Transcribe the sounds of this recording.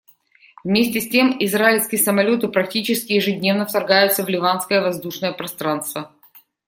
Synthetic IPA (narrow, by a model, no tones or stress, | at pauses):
vmʲesʲtʲɪsʲtʲemɪzɾaɪlʲskʲɪjəsəmɐlʲo̞t̪ɨpɾɐk̚tʲit͡ɕɪskʲɪjɪʐɨdʲnʲe̞vnəft̪ɐrɡajʊt̪səvlʲɪvanskəjəvɐzd̪uʂnəjəpɾɐst̪ɾanst̪və